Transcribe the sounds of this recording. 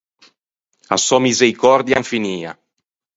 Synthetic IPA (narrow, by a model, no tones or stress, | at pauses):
a̰sɔmizeɾikɔrd̪jaɱfiniːa̰